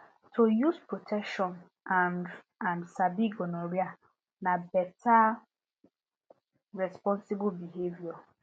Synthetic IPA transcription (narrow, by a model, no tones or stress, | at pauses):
tʰojuspɹotʰɛkʃɔ̃n | ãn | ãnsabiɡɔnɔɹia | nabɛta | ɹɛspɔ̃nsibbiɦevjɔ